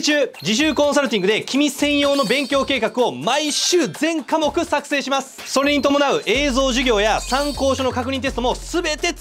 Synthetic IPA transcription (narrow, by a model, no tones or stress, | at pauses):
t͡ɕɨːd͡ʑiɕ̬ɨːkõ̞saɾɯ̟t̪̬ʲĩŋɡɯ̟d̪e̞kʲimʲisẽ̞ɰ̃jo̞ːno̞bẽ̞ŋkʲo̞ːke̞ːkakɯ̟o̞maiɕɨːzẽ̞ŋkamo̞kɯ̟sakɯ̟̥se̞ːɕimasɨ̥so̞ɾe̞ɲ̟it̪o̞mo̞naɯ̟ʔe̞ːzo̞ːʑiɡʲo̞ːjasãŋko̞ːɕono̞kakɯ̟ɲ̟ʲĩnt̪est̪omo̞sɨbe̞t̪e̞